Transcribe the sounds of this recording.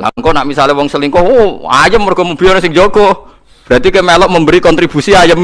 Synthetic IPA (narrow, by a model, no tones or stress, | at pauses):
la̰ŋkɔnaʔmisalwɔŋsəliŋkɔoa̰jəmːərɡ̥ɔməbiɔnɔsɪŋd͡ʒoɡɔ | b̥əɾat̪ikamelɔʔməmbəɾikɔnt̪ɾib̥usiajəm